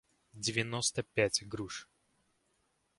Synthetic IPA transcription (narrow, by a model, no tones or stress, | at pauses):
dʲɪvʲɪnost̪əpʲætʲɡɾuʂ